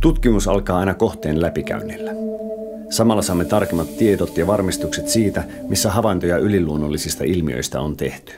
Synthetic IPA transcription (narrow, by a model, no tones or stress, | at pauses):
t̪ut̪k̟imusɑ̰lkɑːɑjnɑko̞ht̪e̞ːnlæpik̟æ̰ynːilːæ | sɑmɑlːɑsɑːmːe̞t̪ɑrkemːɑt̪ːie̞d̪ot̪jɑʋɑrmist̪ukset̪siːt̪æ | misːæɦɑʋɑjnt̪o̞jɑʔyliluo̞nːolːisist̪ɑilmiø̰jst̪æ̰ont̪e̞ht̪y̥